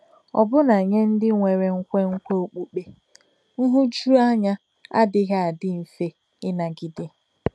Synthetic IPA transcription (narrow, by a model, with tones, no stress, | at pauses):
ɔ̰˨bʊ˦na˨ɲe˦n̩˦dɪ˦ŋʷe˨ɾe˦ŋ̩˦kʷe˦ŋ̩˦kʷe˦o˨k͡pu˦k͡pe˦ | ŋ̩˦ɦu˦d͡ʒu˦a˦ɲa˦ | a̰˦dɪ˦ɣa˦a˨dɪ˦m̩˨fe˦ | ɪ˦na˨ɡɪ˨dɪ˦˨